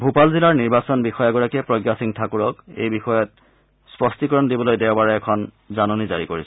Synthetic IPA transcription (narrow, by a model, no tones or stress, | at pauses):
bʱupalzilaɹniɹbasɔnbixɔjaɡɔɹakɛpɹoɡjasiŋtʰakuɹɔkḛjbixɔjɔt | spɔstikɔɹɔndibɔlojdɛwbaɹɛɛkʰɔn | zanonizaɹikoɹis